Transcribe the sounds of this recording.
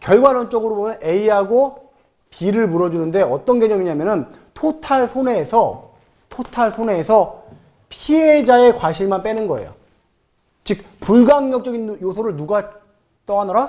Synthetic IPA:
kjʌɭɡwaɾʌnt͡ɕ͈ʌɡɯɾobomjʌne̞iɦaɡo | piɾɯɭmuɾʌd͡ʑunɯnde̞ʌt͈ʌnɡeɲʌmiɲamjʌnɯn | tʰotʰaɭsʰone̞ːsʰʌ | tʰotʰaɭsʰone̞ːsʰʌ | pʰied͡ʑae̞kwaɕʰiɭmanp͈e̞nɯnɡʌḛjo̰ | t͡ɕik̚ | puɭɡaŋɲʌk̚t͡ɕ͈ʌɡinjosʰoɾɯɭnuɡa | t͈ʌadʌɾa

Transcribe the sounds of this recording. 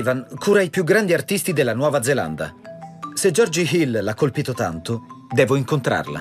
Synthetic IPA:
vankʰuːɾajpjuɡɾand̪iart̪ist̪id̪elːanwɔːvad̪zela̰nd̪a̰sed͡ʒɔrd͡ʒiɦillakːolpiːt̪ot̪a̰nt̪od̪ɛːvoiŋkont̪ɾa̰rla̰

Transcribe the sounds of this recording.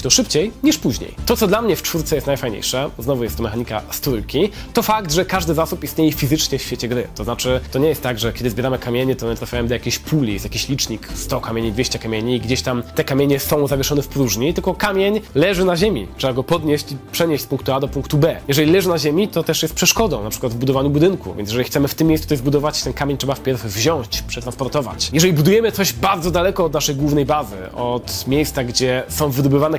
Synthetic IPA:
t̪ɔʂɘpt͡ɕejɲiʂpuʑɲḛjt̪ɔt̪sɔd̪lamɲɛft͡ʂfuɾt̪sɛjɛst̪najfajɲḛjʂɛznɔvujɛst̪ːɔmɛxaɲika̰st̪ɾujkʲit̪ɔfakt̪ʐɛkaʐd̪ɘzasupist̪ɲejɛfʲizɘt͡ʂɲɛfɕfʲet͡ɕɛɡɾɘ̰t̪ɔzat͡ʂɘt̪ɔɲɛjɛst̪ːaɡʐɛkʲɛd̪ɘzbʲjɛɾamɘkamʲeɲɛt̪ɔmɘt̪ɾafʲajɛmd̪ɔjakʲeɕpʰulʲijɛst̪jakʲiɕlʲit͡ʂɲikst̪ɔkamʲeɲid̪vʲeɕt͡ɕɛkamʲeɲiːɡd͡ʑeɕt̪amt̪ɛkamʲeɲɛsɔ̃w̃zavʲjɛʂɔnɛfpɾuʐɲit̪ɘlkɔkamʲjeɲlɛʐɘnaʑemʲḭtʂɛbaɡɔpɔd̪ɲeɕt͡ɕipʂɛɲeɕt͡ɕ̪ʲspũŋkt̪uad̪ɔpuŋkt̪ubɛjɛʐɛlʲilɛʐɘnaʑemʲit̪ɔt̪ɛʂjɛst̪̚pʂɛʂkɔd̪ɔ̃w̃napʂɘkwad̪vbud̪ɔvaɲubud̪ɘnkṵvʲɛ̰njɛʐɛixt̪sɛmɘft̪ɘmʲːejst̪ɔjɛzbud̪ɔvat͡ɕt̪ɛnkamʲeɲtʂɛbafpʲjɛɾfvʑɔ̃w̃ɕt͡ɕpʂɛt̪ɾanspɔɾt̪ɔva̰t͡ɕjɛʐɛlʲibud̪ujɛmɘt̪sɔʑbaɾd̪zɔd̪alɛkɔːd̪naʂɛjɡwuvnɛjbazɘ̰ɔt̪mʲjejst̪saɡd͡ʑɛsɔ̃w̃vɘd̪ɔbɘvanɛ

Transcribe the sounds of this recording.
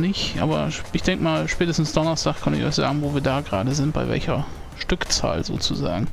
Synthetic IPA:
nɪçʔa̰ːbɐ̰ʔɪçd̥ɛŋkəmaːlʃpɛːtəstn̩sd̥ɔnɐstʰaːχkʰœntɪ̰çʔɔ̰ʏçz̥a̰ːɡŋ̩voːviːɐdaːɡʁa̰ːdəzɪnt̚b̥aɪvɛ̰lçɐ | ʃtʏkt͡sa̰ːlzo̰ːt͡suza̰ːɡŋ̩

